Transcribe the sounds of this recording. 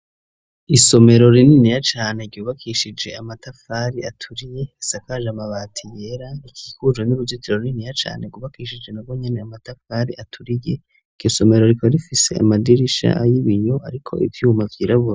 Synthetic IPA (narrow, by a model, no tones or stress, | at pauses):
iso̞me̞ɾo̞ɾininijat͡ʃaːne̞ɡɟuːβakʰiʃid͡ʒe̞amatafaɾiʔatʰuɾije̞isakaʒamaβaːtʰijeɾaikʰiːkuʒwenuɾuzitiɾoɾininijat͡ʃa̰ːneɡuβakiʃid͡ʒe̞nabɡwo̞ɲe̞ne̞amatafaːɾḭatʰuɾije | iɡ̥joso̞me̞ɾo̞ɾikaɾifise̞̰a̰madiɾiʃa̰ajiβijo̞aɾikʰo̞̰ʔḭvjuːmavjiːɾaβuɾa